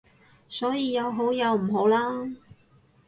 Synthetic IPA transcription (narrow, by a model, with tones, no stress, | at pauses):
sɔː˨˥jiː˧jɐ˨˧wɦo˨˥wjɐ˨˧wm̩˨˩ɦo˨˥wlaː˥